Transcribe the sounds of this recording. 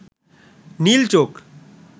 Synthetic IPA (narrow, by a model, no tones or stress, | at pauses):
niːlt͡ʃoːk